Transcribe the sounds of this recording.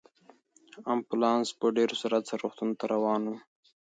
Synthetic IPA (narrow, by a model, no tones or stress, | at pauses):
ampulɑnspəɖeɾosaɾat͡saɾoxt̪unt̪aɾawɑːnu